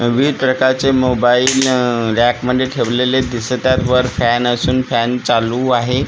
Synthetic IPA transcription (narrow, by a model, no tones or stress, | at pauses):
ʋiːʈɾəkat͡semobailɾækməɳɖeʈʰeʋleled̪ist̪aɾʋəɾfænəsuːnfænt͡saluaɦe